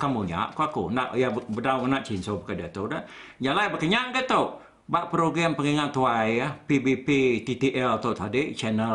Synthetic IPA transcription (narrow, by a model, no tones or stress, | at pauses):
kamuɲa̰ʔkuakunaʔjabbədauŋənaʔt͡ʃinsobəkəd͡ʒat̪odad͡ʒalajbəkəɲaŋɡət̪ow | baʔpɾoɡɾampəŋiŋat̪uajapibipit̪it̪iʔɛlt̪awt̪adiʔt͡ʃɛnəl